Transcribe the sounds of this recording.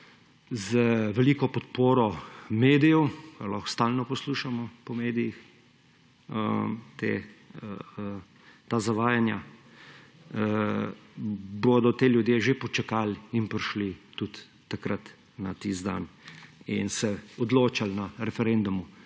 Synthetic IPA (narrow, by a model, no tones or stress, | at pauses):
zəʋɛliːkɔpɔt̪poːɾɔmeːd̪ijɔwkalɔxst̪aːlnɔpɔsluːʃamɔpɔmeːd̪ijix | ət̪ḛ | t̪aːzaʋaːjanja̰ | bod̪ɔt̪eːljud̪jeːʒepɔt͡ʃakaːlinpɾiʃlit̪ut̪ː | akɾat̪ | nat̪izd̪a̰ninsɛɔd̪loːt͡ʃalnaɾɛfɛɾɛnd̪umu